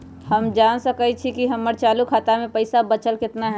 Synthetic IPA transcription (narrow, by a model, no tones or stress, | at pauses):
hɐmd͡ʒaːnsəkəit͡ʃʰikiɦɐmːəɾt͡ʃaːlukʰaːt̪amẽpɐɪsabɐt͡ʃəlkɪt̪naɦɛ